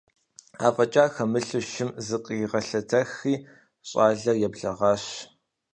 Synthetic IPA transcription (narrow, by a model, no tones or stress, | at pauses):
aːfʼɐt͡ʃʼaːxɐmɨɬɨʃɪmzɨqʼiʁɐɬɐtʰɐxiː | ɕʼɑːɮɐrjɛbɮɐʁɑːɕ